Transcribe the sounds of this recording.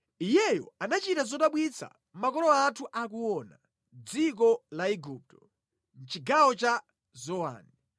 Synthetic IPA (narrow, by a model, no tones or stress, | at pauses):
ijɛjɔ̰anat͡ʃitazɔtaɓwit͡sʰa̰ | m̩makɔlɔatʰuʔak̬uwɔna | d͡zik̬ɔlaiɡup̚tɔ̥ | n̩t͡ʃiɡawɔt͡ʃa | zɔwa̰ːni